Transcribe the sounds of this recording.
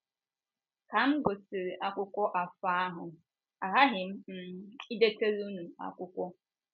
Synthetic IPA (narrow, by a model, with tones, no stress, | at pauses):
ka˨m̩˦ɡʊ˨sɪ˨ɾe˨ʔa˦kʷʊ˦kʷɔ˦ʔa˨fa˦a˦ɦʊ˨ | a˨ɦa˦ɦɪ˨m̩˦m̩˦i˦de˦te˦ɾu˦nu˨a̰˦kʷʊ˦kʷɔ˦